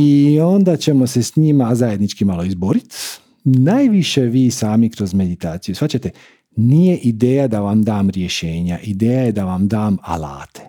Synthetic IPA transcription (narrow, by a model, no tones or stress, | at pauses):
io̞nd̪at͡ɕe̞mo̞se̞sɲimazaje̞d̪nit͡ʃkimalˠo̞izboɾit̪ | najʋiʃeʋiːsaːmikɾo̞zme̞d̪it̪aːt̪sijusfat͡ɕat̪e̞ | nijeʔid̪eːjad̪aʋamd̪aːmɾje̞ʃeːɲaʔid̪eːjaje̞d̪aʋamd̪aːma̰la̰ːt̪ʰe̥